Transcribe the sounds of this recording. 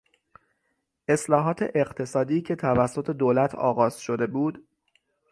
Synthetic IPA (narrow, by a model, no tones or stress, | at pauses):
ʔe̞slɒːɦɒːt̪ʰe̞̰ʔeɢt̪ʰe̞sɒːd̪iːcʰe̞t̪ʰævæsːo̞t̪ʰe̞d̪oːlæt̪ʰɒ̰ːɣɒːz̥ʃo̞d̪e̞buːd̪